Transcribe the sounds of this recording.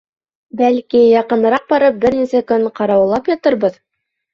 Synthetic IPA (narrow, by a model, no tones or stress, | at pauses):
bælkijɑqɤ̆nɤ̆ɾɑq̚bɑɾɤp̚bɘɾnisækɵɴqɑɾɑwlˠɑpjɑt̪ɤɾbɤð